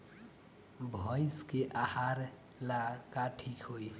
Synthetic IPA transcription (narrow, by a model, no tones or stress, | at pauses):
bʱʌjskeʔahaɾ | lakaʈʰikɦoj